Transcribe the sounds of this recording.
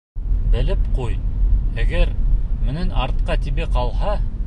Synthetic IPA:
bɘ̆lɘpqujæɡæɾmɘ̆nænɑɾt̪̚qɑt̪iβɘqɑlˠhɑ

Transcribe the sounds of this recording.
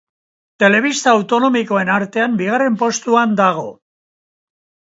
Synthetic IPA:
t̪e̞le̞β̞ist̪aːwt̪o̞no̞miko̞e̞naɾt̪e̞ambiɣ̞are̞mpo̞st̪uand̪aɣ̞o̞

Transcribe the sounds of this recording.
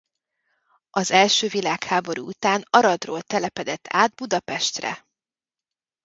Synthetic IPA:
ɒzɛlʃøːvilaːkhaːbo̞ɾṵut̪aːnɒɾɒd̪roːlt̪ɛlɛpɛd̪ɛt̪ʰːaːd̪̚bud̪ɒpɛʃt̪rɛ̰

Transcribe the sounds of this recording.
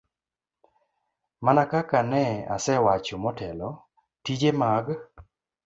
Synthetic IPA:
manakakanɛa̰sɛwat͡ʃomɔtɛlɔ | tid͡ʒemaɡ

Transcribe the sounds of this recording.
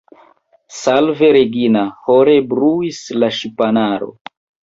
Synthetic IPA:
salveɾeɡinahoɾebɾuislaʃipanaɾo̰

